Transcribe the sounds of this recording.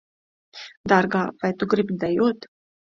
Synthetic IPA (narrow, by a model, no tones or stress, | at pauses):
d̪ɑɾɡɑːvajt̪uɡɾibd̪ɛjuːt̪